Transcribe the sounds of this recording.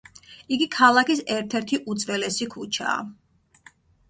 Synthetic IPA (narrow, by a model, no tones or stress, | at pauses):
iɡikʰalˠakis̬ɛɾt̪ʰɛɾt̪ʰiʔut̪sʼvɛlɛsikʰut͡ʃʰa̰ː